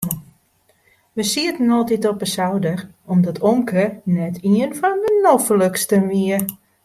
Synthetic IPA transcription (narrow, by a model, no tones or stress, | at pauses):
ʋəsiətnɔːtitɔpəsawdər | ɔmdɔtʰoŋkənɛtʰiənfɔndənofələkstəmiə